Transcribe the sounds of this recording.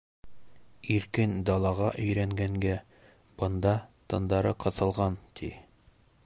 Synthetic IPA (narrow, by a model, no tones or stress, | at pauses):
iɾkɘnd̪ɑlˠɑʁɑʔɵ̆jɾæŋɡæŋɡæ | b̥ɤ̆nd̪ɑt̪ɤ̆nd̪ɑɾɤqɤ̆θɤ̆lˠʁɑnt̪ʰḭ